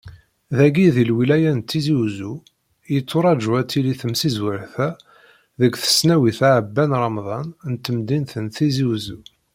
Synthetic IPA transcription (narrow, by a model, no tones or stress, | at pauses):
ðæɡiðilwilæjænt̪ːiziwzu | jət͡sːoɾˤɑd͡ʒuæt͡s̪ːiliθəmsizwəɾθæ | ðəkθə̥snæwiθaʕəbːænɾˤɑmðˤɑnnt̪ːəmd̪inθənθiziwzu